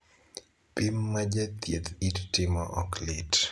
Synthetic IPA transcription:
pimːad͡ʒat̪jet̪ittɪmɔʔɔklɪt

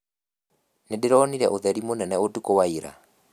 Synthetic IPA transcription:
nedeɾɔniɾɛʔoðɛɾimonɛnɛotukowaiɾa̰

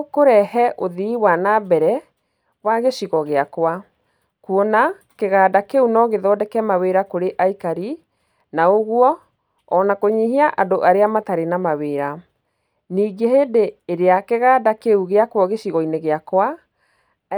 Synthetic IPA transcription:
koɾɛhɛʔoðiwanabɛɾɛ | waɣeʃiɣɔɣeakwa | kuɔna | keɣaːdakeunɔɣeðɔdɛkɛmaweɾakoɾeʔaikaɾi | naoɣwɔː | nakoɲiɦiaʔadoʔaɾeamataɾenamaweːɾa | niːɡeheːdeːɾeakeɣaːdakeuɣeakwɔɣeɕiɣɔineɣeakwa

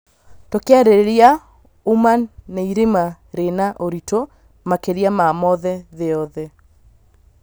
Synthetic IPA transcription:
tokeaɾeɾeɾia | umanːeiɾema | ɾenaʔoɾito | makeɾiamamɔðɛðeɔðɛ

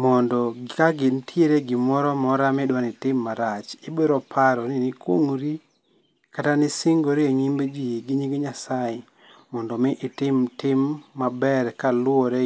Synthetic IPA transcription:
mɔndɔkaɡɪntʰjeɾeɡɪmɔɾɔmɔɾamɪdwanɪtɪmːaɾat͡ʃɪbeɾɔpʰaɾɔnɪnɪkwoŋɾi | katanɪsɪŋɡoɾieɲimbed͡ʒijeɡɪɲiɡoɲasajɛ | mɔndɔmɪʔːtɪmtɪmːabɛɾkalʊoɾe

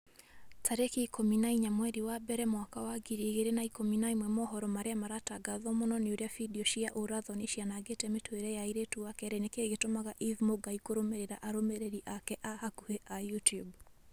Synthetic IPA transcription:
tʰaɾekikɔminaiɲamwɛɾiwabɛɾɛmwakawaɡiɾieɣeɾenaikɔminaimwɛmɔɦɔɾɔmaɾeamaɾataɡaðɔmɔnɔneoɾeafidiɔʃiaʔoɾaðɔneʃianaɡetɛmetoeɾɛjaiɾetuakɛɾɛnekeɣetomaɣaʔivmoɡaikoɾomeɾeɾaʔaɾomeɾeɾiʔakɛʔahakuheʔajutijub

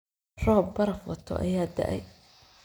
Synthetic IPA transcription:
r̥ɔːbːɐɾɐfwɑt̪ʰɔ̰ʔɐ̰jaːd̪ɐ̰ʔɛ̰j

